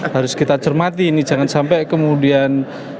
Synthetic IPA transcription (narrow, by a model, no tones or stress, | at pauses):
haɾʊskit̪at͡ʃərmat̪iːnid͡ʒaŋansampɛkəmudian